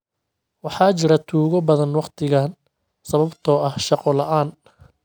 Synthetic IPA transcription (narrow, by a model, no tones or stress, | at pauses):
wɑħɑːt͡ʃɪɾɐt̪ʰuːɣɔbɐðɐnwɑqt̪ʰɪɣaːn | sɐβɐbt̪ʰɔːɐhʃɑqɔlɐʔaːn